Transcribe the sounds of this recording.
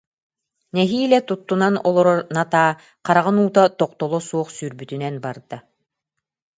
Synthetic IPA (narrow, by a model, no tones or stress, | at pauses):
nɛɦiːlʲɛt̪ut̪ːunanɔlˠɔɾɔɾnat̪aː | qaɾaʁɯnuːt̪at̪ɔqt̪ɔlˠɔsuɔχsyɾbyt̪ynɛnbaɾd̪̥a